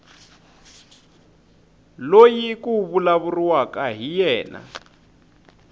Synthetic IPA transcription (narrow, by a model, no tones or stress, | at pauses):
lojikuβulaβuriwakaɦijɛːna̰